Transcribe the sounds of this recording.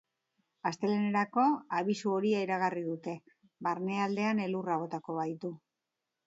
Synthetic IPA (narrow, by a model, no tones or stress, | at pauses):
ast̪e̞lene̞ɾako̞aβ̞isuo̞ɾiaiɾaɣ̞ariðut̪e̞ | βaɾne̞ald̪e̞ane̞luraβ̞o̞t̪ako̞βajt̪u